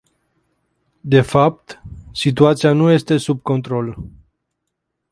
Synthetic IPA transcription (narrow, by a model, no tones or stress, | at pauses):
d̪e̞fap̚t̪sit̪̬uat̪sianuje̞st̪e̞sub̚ko̞nt̪ɾo̞l